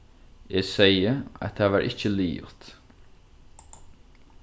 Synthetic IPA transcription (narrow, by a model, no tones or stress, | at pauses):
eːɡsejəa̰t̪ʰaːʋaːɹʔɪcəliːʊ̰t̪